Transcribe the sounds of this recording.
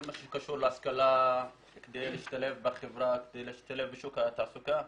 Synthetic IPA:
maʃukaʃuɾleaskala | ked̪ejliːʃt̪alefbaχevɾaked̪ejliʃt̪alefbiʃukat̪aʕsuka

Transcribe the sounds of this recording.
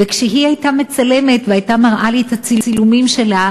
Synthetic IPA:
vekʃeɦiajtame̞t͡sale̞me̞tveajtamaʁʔalit̪hat͡siilumimʃe̞la

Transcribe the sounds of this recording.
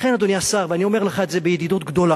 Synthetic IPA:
χenad̪oniasaʁveanio̞meʁleχaet̪zebejed̪id̪ut̪ɡd̪o̞la

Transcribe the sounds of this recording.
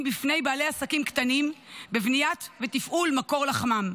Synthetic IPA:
mbifne̞jbaːleasakimkt̪animbevnijat̪vet̪ifʔulmako̞ʁlaχmam

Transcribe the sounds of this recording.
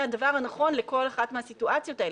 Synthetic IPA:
hadavaʁhanaχonleko̞laχatmeɦasituʔat͡sjo̞tae

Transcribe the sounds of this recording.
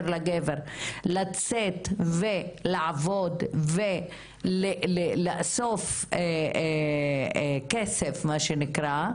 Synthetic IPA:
ɾlaɡeveʁlat͡set̪velaʕavod̪ve | lelelaasofe | kesefmaʃenikʁa

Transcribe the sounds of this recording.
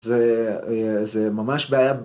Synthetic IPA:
ze | zemamaʃbeaja

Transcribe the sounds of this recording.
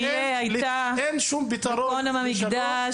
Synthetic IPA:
eajta | enʃumbit̪aɾoonamamikɡd̪a

